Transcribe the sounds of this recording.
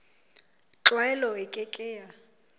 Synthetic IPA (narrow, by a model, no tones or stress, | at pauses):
t͡ɬʼwɛlɔɪkʼɪkʼɪːja